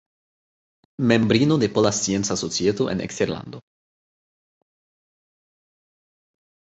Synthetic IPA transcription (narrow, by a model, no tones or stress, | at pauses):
membɾinod̪epolasjensasot͡sjet̪oʔḛnḛkst̪eɾla̰nd̪o